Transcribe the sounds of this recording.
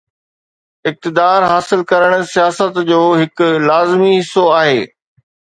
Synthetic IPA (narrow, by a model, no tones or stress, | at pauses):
ɪk̚t̪ɪd̪aːɾɦaːsɪlkɐɾəɽ̃̆sijaːsət̪d͡ʑoːɦɪkʊlaːzmiɦɪsːoaːɦeː